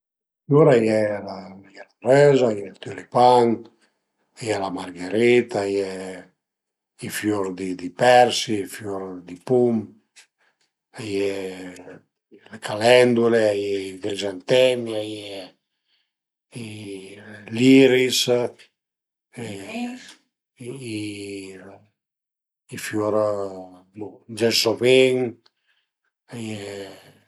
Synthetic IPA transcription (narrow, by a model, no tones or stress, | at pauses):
fjuɾajɛlajɛlarɛzajɛlt̪ylipan | ajɛlamarɡeɾit̪ajɛ | ifjuɾd̪id̪ipɛɾsifjuɾd̪ipum | ajɛ | lekʰalɛnd̪uleajɛiɡɾizant̪ɛmiajɛ | i | liɾis | ifjuɾ | d͡ʒɛsoviŋ | aje